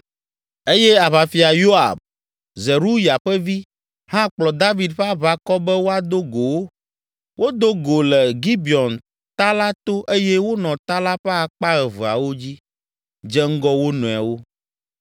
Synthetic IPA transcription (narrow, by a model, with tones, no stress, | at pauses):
e˦jɛ˦a˨βa˨fi˨a˨jo˦a̰˨b̚ | ze˨ɾu˦ja˨ɸɛ˦vi˦ | hã˦k͡plɔ˨d̪a˦vi˨d̪ɸɛ˦a˦βa˨kɔ˦bɛ˦wo˦a˨d̪o˦ɡo˨wo˦ | wo˦d̪o˦ɡo˨lɛ˨ɡi˦bi˨ɔ˨n | t̪a˦la˦t̪o˦ʔe˦jɛ˦wo˦nɔ̃˨t̪a˦la˦ɸɛ˦a˨k͡pa˦ɣɛ˨və˨a̰˨wo˦d͡ʑi˦ | d͡ʒɛ˦ŋ̩˦ɡɔ˦wo˦nũ˨a̰˨wo˦